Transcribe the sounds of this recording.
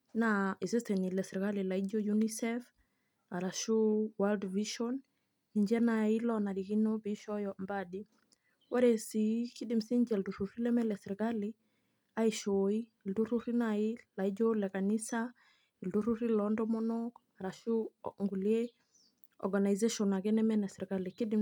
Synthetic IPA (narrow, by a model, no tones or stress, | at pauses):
naizistenilɛsɾɡalilaid͡ʒojunisɛf | aɾaʃuwaldviʃɔn | iɲd͡ʒɛnailɔnaɾikinɔbiʃɔjɔmbadi | waɾesikidimsiɲd͡ʒɛlduɾuɾilɛmɛlesɾiɡali | aiʃoi | lduɾuɾinailaid͡ʒɔlɛkanisa | ilduɾuɾilɔndɔmɔnɔk | aɾaʃuŋɡulie | ɔ̰ɾɡanajzeʃɔnaɡɛnɛmɛnɛsɾɡalikidi